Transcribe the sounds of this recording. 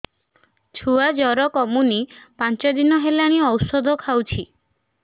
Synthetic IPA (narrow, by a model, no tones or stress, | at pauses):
t͡ʃʰuad͡ʒɔɾɔkɔmunipant͡ʃɔd̪inɔɦelaɽ̃iɔwsɔd̪ʱɔkʰawt͡ʃʰi